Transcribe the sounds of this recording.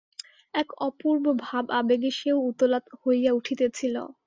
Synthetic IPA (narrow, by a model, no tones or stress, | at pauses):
ɛkɔpuɾbobʱababeɡiʃeout̪olat̪hojjauʈʰit̪et͡ɕʰilo̰